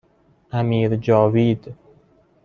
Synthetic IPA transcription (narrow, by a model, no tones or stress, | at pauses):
ʔæmiːɾd͡ʒɒːviːd̪